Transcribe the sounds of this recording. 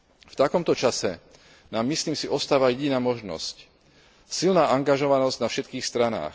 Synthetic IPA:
ft̪akɔmt̪ɔt͡ʃasɛ | naːmːisliːmsiʔɔst̪aːʋajɛɟinaːmɔʒnɔ̰sc | silnaːʔaŋɡaʒɔʋanɔzɟnafʃɛt̪kiːxst̪ɾana̰ːx

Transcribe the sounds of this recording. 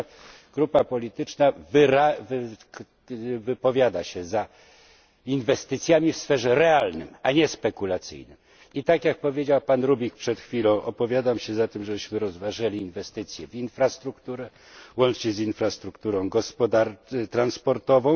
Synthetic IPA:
ɡ̥ɾupapɔlʲit̪ɘt͡ʂnavɾav | vɘpɔvʲjad̪aɕɛza | invɛst̪ɘt̪sʲjamʲifsfɛʐɛɾɛalnɘ̰maɲɛspɛkulat̪sɘ̰jnɘ̰m | it̪akjak̚pɔvʲjed͡ʑawpanɾubʲikpʂɛt̪xfʲilɔ̃w̃ʔɔpɔvʲjad̪amɕɛzat̪ɘmʐɛbɘɕmɘɾɔzvaʐɛlʲiːnvɛst̪ɘt̪sʲjɛvinfɾast̪ɾukt̪uɾɛ | wɔnt͡ʂɲɛzinfɾast̪ɾukt̪uɾɔ̃w̃ɡɔspɔd̪at̪ɾanspɔɾt̪ɔvɔ̃w̃

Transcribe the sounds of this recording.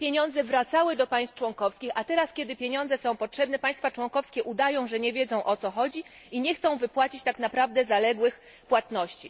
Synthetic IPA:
pʲjeɲɔ̃nd̪zɛvɾat̪sawɘd̪ɔpaj̃st̪ft͡ʂwɔŋkɔfskʲixat̪ɛɾaskʲɛd̪ɘpʲeɲɔnzɛsɔ̃w̃pɔtʂɛbnɛpaj̃st̪fat͡ʂwɔŋkɔfskʲɛʔud̪ajɔ̃w̃ʐɛɲɛvʲjed̪zɔ̃w̃ʔɔt̪sɔxɔd͡ʑi | iɲɛxt̪sɔ̃w̃vɘpwat͡ɕit͡ɕt̪aknapɾavd̪ɛzalɛɡwɘx | pwat̪nɔɕt͡ɕi

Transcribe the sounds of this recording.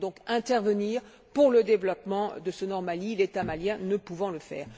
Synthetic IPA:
d̪ɔ̃kɛ̃t̪ɛʁvəniːʁ | puʁləd̪evlɔpmɑ̃d̪əsənɔʁmalilet̪amaljɛ̃nəpuvɑ̃ləfɛ̰ːʁ

